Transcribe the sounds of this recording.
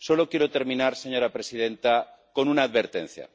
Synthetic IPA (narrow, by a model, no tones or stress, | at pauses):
so̞lo̞kjeɾot̪e̞ɾmĩnaɾse̞ɲo̞ɾapɾe̞sið̞ẽ̞nt̪a | ko̞nunaːðβe̞ɾt̪ẽ̞̰n̟θja̰